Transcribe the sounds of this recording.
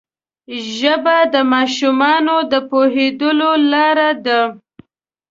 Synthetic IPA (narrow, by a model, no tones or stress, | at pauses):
ʒəbad̪əmɑʃumɑnod̪əpoɦed̪əlolɑɾad̪a